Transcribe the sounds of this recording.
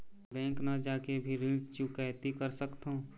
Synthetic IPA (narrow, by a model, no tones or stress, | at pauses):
bɛ̃ːŋknɐd͡ʒaːkebʱiɾĩt͡ʃukɛɦt̪ikəɾsəkt̪ɦõ